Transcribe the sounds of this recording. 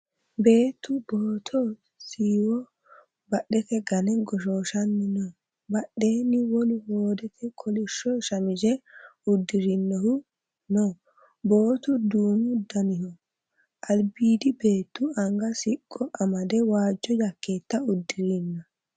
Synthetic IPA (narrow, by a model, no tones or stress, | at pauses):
be̞ːt̪ːʊboːt̪ʰɔ | siːwɔ | bɐɗɛkɛɡɐnɛɡɔʃoːʃɐnːɪnɔ | bɐɗe̞ːnɪwɔlʊhoːd̪ɛt̪ʰɛkʰɔlɪʃːɔʃɐmɪd͡ʒɛʊd̪ːɪɾɪnːɔhʊ | nɔ | boːt̪ʊd̪uːmʊd̪ɐnɪhɔ | ʔɐlbiːd̪ɪbe̞ːt̪ːʊɐŋɡɐsɪkʼːɔʔɐmɐd̪ɛwaːd͡ʒːɔjɐkːeːt̪ːɐʊd̪ːɪɾinːɐ